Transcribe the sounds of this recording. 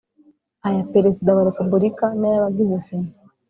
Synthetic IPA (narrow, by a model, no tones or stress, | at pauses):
ajapeɾesidaβaɾepubuɾikanajaβaɡizese